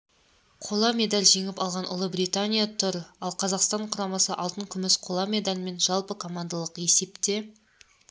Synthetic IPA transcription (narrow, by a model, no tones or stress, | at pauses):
qʰo̞lˠɑme̞d̪alʲʒe̞ŋɪpɑlˠʁɑnʔʊ̰lˠəbɾijt̪anʲijat̪ʰʊɾɑlˠqʰɑzɑqst̪ɑɴqʰʊɾɑmɑsəʔɑlˠt̪əɴkʲʰʏmɪsqʰo̞lˠɑme̞d̪alʲme̞nʒɑlˠpəkʰo̞mand̪alˠəqe̞se̞pt̪e̞